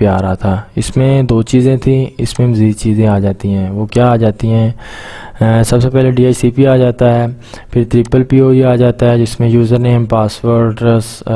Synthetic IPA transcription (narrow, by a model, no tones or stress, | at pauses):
pjaːɾaɦat̪ʰaːɪ̰smẽd̪oːt͡ʃiːzẽt̪ʰĩɪsmẽməziːdt͡ʃiːzẽaːd͡ʒaːt̪iɦɛ̃ːʋoːkjaːd͡ʒaːt̪iɦɛ̃ː | sɐbsepɛːleɖiːaːt͡ʃsipiaːd͡ʒaːt̪aɦɛː | pʰɪɾt̪ɾɪpəlpiːoːiaːd͡ʒaːt̪aɦɛd͡ʒɪsmẽjuːzəɾneːmpaːsʋəɾʈs